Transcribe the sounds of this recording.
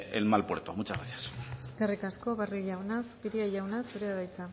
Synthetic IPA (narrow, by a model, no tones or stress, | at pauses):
ḛlmalpwḛɾt̪omut͡ʃazɣɾaθjase̞skerikasko̞βariʝawnaspiɾiaʝawnaseɾeaðajt͡sa